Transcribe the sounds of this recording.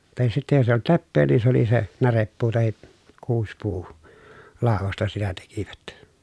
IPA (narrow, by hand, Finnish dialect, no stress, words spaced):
tɑhis sitːe jos eij olt lepːeː ni se oli se nærepːuː tɑhi kuːspuː lɑˑoʋostɑ sitæ tekiʋæt